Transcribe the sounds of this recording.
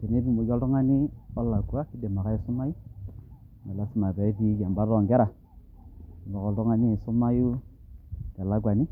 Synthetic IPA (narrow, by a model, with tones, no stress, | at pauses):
te˨ne˦bi˨mo˨jɔ˦ltɔ˦ŋa˦ni˦ɔ˦la˨ɡu˨a˦ki˦de˨ma˨ka˦e˨su˦ma˦ju˦˨ | mɛ˨la˦si˦ma˨ta˨i˦pi˦d͡ʒa˨mba˦ɾɔ˨ŋɡɛ˦ɾa˨ | lɔ˨kɔ˨ldɔ˦ŋa˦ni˦e˨su˦ma˦ju˦ | ka˨la˦ɡwa˨ni˦